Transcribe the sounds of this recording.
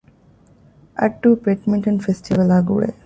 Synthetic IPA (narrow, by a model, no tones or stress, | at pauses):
ɐ̰ʈ̚ʈːupeʈmĩɳʈə̃nfesʈiʋəlaːɡṵːɭḛ